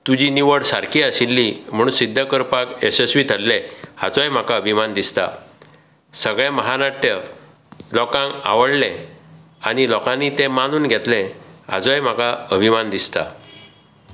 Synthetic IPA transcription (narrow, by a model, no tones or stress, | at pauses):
t̪ud͡ʑiniʋəɽsaɾkʰiaɕilːim̤əɽ̃unsid̪ʱːəkəɾpakesesʋit̪ʰəlːɛa̰t͡sajm̤akaəbʱimand̪ist̪a̰ | səɡɭeməɦaɾaʈjə | lɔkãŋɡa̰ʋəɽlɛ̃ | aɽ̃ilɔkãnːit̪ɛ̃manuːnɡʱɛt̪lɛ̃a̰d͡zajm̤akaəbʱimand̪ist̪a̰